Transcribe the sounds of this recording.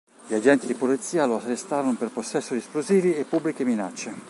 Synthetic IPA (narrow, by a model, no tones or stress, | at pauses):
ʎiad͡ʒɛnt̪id̪ipolit̪siːaloatːest̪aːɾonoperposːɛsːod̪iesploziːviepːubːlik̟eminat͡ʃːe